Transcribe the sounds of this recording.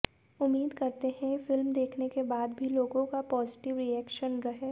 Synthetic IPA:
ʊmːiːd̪kɐɾt̪eɦɛ̃fɪlmd̪eːkʰnekebaːd̪bʱiloːɡõkapɔːzɪʈɪʋɾiɛːkʃənɾɐɦe

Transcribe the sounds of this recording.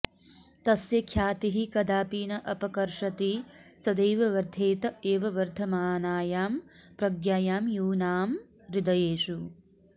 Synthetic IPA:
t̪ɐsjɐkʰjaːt̪iɦikɐd̪ʱaːpiːnɐʔɐpɐkɐɾʂɐt̪it͡sɐd̪ejʋɐʋɐɾd̪ʱeːt̪ɐeːʋɐʋɐɾd̪ʱɐmaːnaːjaːmpɾɐɡjaːjaːmjuːnaːm | ɾɪd̪ɐjeːʃu

